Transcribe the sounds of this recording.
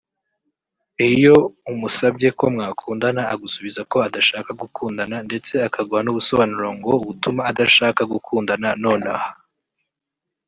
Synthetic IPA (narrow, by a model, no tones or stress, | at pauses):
ijo̞umusabɟe̞ko̞mŋaːkʰuːndanaaɡusuβizako̞adaʃakaɡukʰuːndanande̞t͡se̞akaɡuhanuβuso̞βanuɾoŋɡo̞uβutumaːdaʃaːkaɡukʰuːndanano̞ːnaha